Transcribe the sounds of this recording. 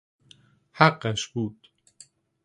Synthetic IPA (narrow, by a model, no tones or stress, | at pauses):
haɢːæʃbuːd̪̥